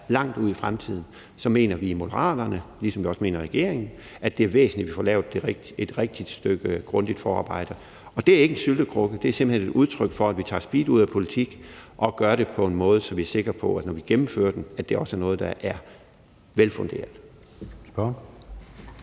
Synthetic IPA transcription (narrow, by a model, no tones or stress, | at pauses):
lɑ̈ŋ̰d̥uð̞̰ˠifʁamt͡sʰið̞̰ˠn̩ | sɒ̽me̝̰ːnɐʋiːmo̝d̥ɐʁɑ̰̈ːd̥ɐnəlisɒ̽mʋiɒ̽sme̝̰ːnɐʁɛɡ̥e̝̰ɐ̰eŋn̩ | æd̥e̝æɐʋḛːsn̩liʋifɒ̰ːlɛ̰ːʊðˠd̥e̝ʁɡ̥̚ | ed̥ʁɛɡ̥̚d̥id̥sd̥øɡ̥əɡ̥ʁɔ̽nd̥id̥fɒːɑ̈ːb̥ɑ̈ɪ̰d̥ɐ | ɒ̽d̥e̝æɐe̝ɡ̥ensyld̥əkʰʁɔɡ̥əd̥e̝æɐse̝mb̥l̩hened̥uð̞ˠt͡sʰʁœɡ̥fɒ̽æd̥ʋit͡sʰɑ̰̈ːsb̥ḭːd̥uð̰ˠæpʰo̝lit͡sʰiɡ̥ʔɒ̽ɡ̥ɶɐɾe̝pʰɒ̽e̝nmɔ̽ːð̞ˠsɒ̽mʋiæɐse̝ɡ̥ʁɐpʰɒ̽æ̥nɒʋiɡ̥emm̩fø̰ːɐd̥enæd̥e̝æɐɒ̽sæɐnɔ̽ːð̞̩ˠd̥ɑʔæɐ | ʋelfɔ̽ŋɡ̥e̝̰ːɐl̥ˠ | b̥